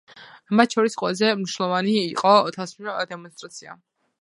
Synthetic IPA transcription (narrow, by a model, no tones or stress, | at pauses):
mat̪ʰʃʰɔɾisqʼwɛ̰lˠazɛmniʃnlˠɔvaniːqʼɔt̪ʰasd̪ɛmɔnst̪ʼɾat̪sʰia̰